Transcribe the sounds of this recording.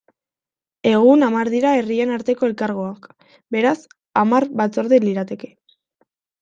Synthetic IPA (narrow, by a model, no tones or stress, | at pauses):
e̞ɣ̞unamaɾðiɾae̞rie̞naɾt̪e̞ko̞e̞lkaɾɣ̞o̞ak | be̞ɾas | amaɾβat͡so̞ɾðeliɾat̪e̞ke̞̥